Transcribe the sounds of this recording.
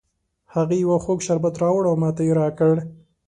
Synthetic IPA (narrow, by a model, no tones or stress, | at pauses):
haɣejwaxoɡʃaɾbat̪ɾɑwɽawmɑt̪ajeɾɑkəɽ